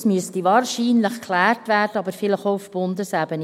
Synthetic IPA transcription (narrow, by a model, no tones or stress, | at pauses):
smyəstiʋɑːɾʃiːnləχkʰlæːrtvʋæːrd̥əɑbəɾfɪləχoʊfb̥ʊndəsæbən